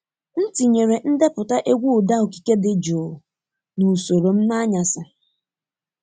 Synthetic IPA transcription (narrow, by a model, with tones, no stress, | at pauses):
n̩˦ti˨ɲe˨ɾe˨n̩˦dɪ˦pʊ˨ta˦ʔe˦ɡʷu˦ʊ˨da˦o˨ki̥˨ke˦dɪ˨d͡ʒo˨ | nu˨so˨ɾo˨m̩˦na˦ɲa˨sɪ˨